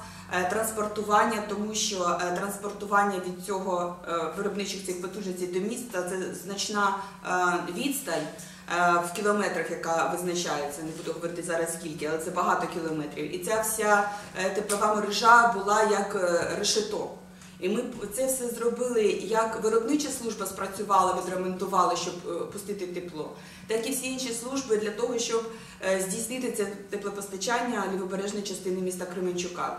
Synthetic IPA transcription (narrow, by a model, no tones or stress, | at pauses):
t̪ɾɐnspɔrt̪ʊʋɑnʲːɐt̪ɔmuʃt͡ʃɔt̪ɾɐnspɔrt̪ʊʋɑnʲːɐʋʲid̪̚t͡sʲɔɦɔʋɪɾɔbnɪt͡ʃɪxt͡sʲixpɔt̪uʒnesʲt͡sʲijd̪ɔmʲist̪ɐt̪sɛznɐt͡ʃnɑ | ʋʲid̪st̪ɐlʲ | wkʲilˠɔmɛt̪ɾɐxjɐkɑʋɪznɐt͡ʃajet͡sʲːɐnebud̪ɛɦɔʋɔɾɪt̪ɪzɑɾɐskʲilʲkɪɐlˠɛt̪ɛbɐɦɑt̪ɔkʲilˠɔmɛt̪ɾʲiwḭt̪t͡sʲafsʲat̪ɪpɔʋɑmɔɾɪʒɑbʊlˠɑjɐkrɪʃɪt̪ɔ | imɪt̪sɛfsɛzɾɔbɪlˠɪjɐkʋɪɾɔbnɪt͡ʃɐslˠuʒbɐspɾɐt͡sʲʊʋɑlˠɐʋɪd̪ɾɐment̪ʊʋɑlˠɐʃt͡ʃɔbpʊst̪ɪt̪ɪt̪ɪplˠɔ̰ | t̪ɑkiwsʲiinʲʃislˠuʒbɪd̪lʲɐt̪ɔɦɔʃt͡ʃɔb | zʲdʲijsnɪt̪ɪt̪sʲɛt̪ɪplˠɔpɔst̪ɐt͡ʃanʲːɐlʲɐʋɔbeɾɛʒnɔjt͡ʃɐst̪ɪnɪmʲist̪ɐkɾɪmenʲt͡ʃʊkɑ̰